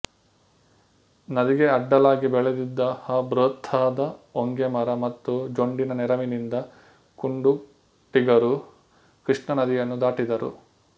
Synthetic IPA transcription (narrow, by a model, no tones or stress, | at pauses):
nɐd̪iɡe̞ɐɖːɐlaːɡibɛɭed̪id̪ːɐhabɾoːt̪ʰːaːd̪ɐoŋɡemɐɾɐmɐt̪ːud͡ʒoɳɖinɐnɛɾɐminind̪ɐ | kuɳɖu | ʈiɡɐɾu | kɾiʂɳɐnɐd̪ijɐnːud̪aːʈid̪ɐɾṵ